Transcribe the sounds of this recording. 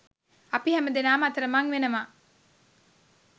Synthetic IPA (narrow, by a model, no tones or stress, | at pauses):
ɐpiɦɛmɐd̪enaːmɐɐt̪ɐɾɐmɐŋʋenɐmaː